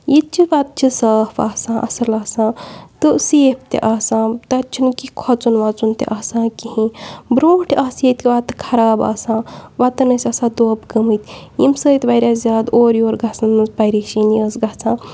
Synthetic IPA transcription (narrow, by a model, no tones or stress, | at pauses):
jit̪̚t͡ʃʰiʋaːt̪̚t͡ʃʰisəːfa̰ːsãːʔɐ̰sɐlaːsãːt̪ɨseːpʰt̪ḛʔaːsãːt̪ɐt͡ʃʰinkikʰɔt͡sunʋaːt͡sunt̪ḛʔaːsãːkiɦĩbɾõːʈʰiʔaːsjet̪kiʋaːt̪ɨ̥kʰɐɾaːba̰ːsãːʋaːt̪ɨnɐsʲasãːd̪oːbɡɐmɨjt̪jḭmsəːjt̪bɐjɾʲaːszʲaːd̪oːɾjoːɾɡat͡sɐnmɨzbɐjɾaʃiːniəːsɡat͡sʰãː